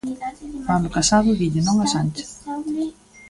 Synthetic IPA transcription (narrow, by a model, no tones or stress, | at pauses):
mand̪ʊkasaðʊβiʎɪnõŋasant͡ʃɪ̥